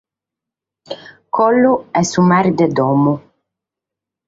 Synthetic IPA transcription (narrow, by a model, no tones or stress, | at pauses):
kʰɔlːuɛsumaɾd̪ed̪ɔːmu